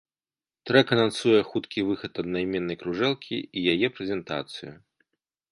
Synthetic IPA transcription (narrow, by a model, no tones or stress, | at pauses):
t̪ɾɛkɐnansujɛxut̪kʲivɨxɐt̪ɐd̪najmʲɛnːɐjkɾuʐɛlˠkʲʰḭijajɛpɾɛzʲɛnt̪a̰t̪sɨju